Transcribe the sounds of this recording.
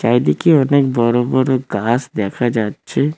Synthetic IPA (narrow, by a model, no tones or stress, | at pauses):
ʃaːid̪ikionek̚bəɾoːbəɾɡaːsd̪eːkʰad͡ʒaːtːʃʰe